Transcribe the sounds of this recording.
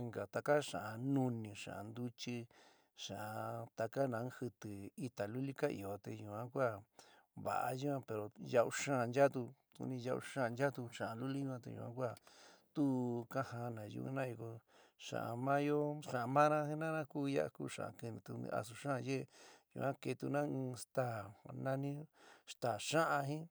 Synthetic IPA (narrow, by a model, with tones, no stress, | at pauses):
ŋɡa˨t̪a˧ka˦ʂã˨ʔa˨˧nũ˧nĩ˧ʂã̰˨ʔa˨˧nd̪u˦t͡ʃi˧ | ʂã˨ʔa˧t̪a˧ka˦nã˨˦hɨ˧t̪ɨ˨i˧t̪a˨lu˦li˦ka˦ḭ˨o˨t̪e˧jũ˧ã˦kʷa˦˨ | βa̰˨ʔa̰˧ʒu˦ã˦pe˨ɾo˨ja˧ʔu˧ʂãː˦˨˧nd͡ʒa˦t̪u˧kṵ˧˦nĩ˧ja˧ʔṵ˧ʂãː˦˨˧nd͡ʒa˦t̪u˧ʂã˨a˧lu˦li˦jũ˦˧ã˧t̪ḛ˧jṵ̃˧ã̰˦kʷa˦˨t̪u˦kã˦hã˧nã˨jṵ˧ṵ˧nã˦i˧ko˧ | ʂã̰˨ʔa̰˧mã˦jo˦ʂã˨˧mã˦nã˦hĩ˦nã˦nã˦kuː˦˧ja̰˦ʔkṵ˦˨ʂã̰˨ʔã̰˨kɨ˧nĩ˧t̪ṵ˧a̰˧s̬u˧ʃã˦˧je˦˧jṵ˧˨ã˦ke˧t̪u˧nã˦ɨ̃ː˧st̪a˦˨nã˦nĩ˦ʂt̪a˨ʂã˦ʔã˧ɦĩ˦